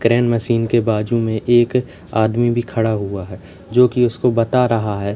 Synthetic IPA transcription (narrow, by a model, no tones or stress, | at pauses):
kɾɛːnməʃiːnkebaːd͡ʒumẽʔeːk | aːd̪mibʱikʰɐɽaɦuaɦɛː | d͡ʒoːkiʊskobɐt̪aɾɐɦaɦɛː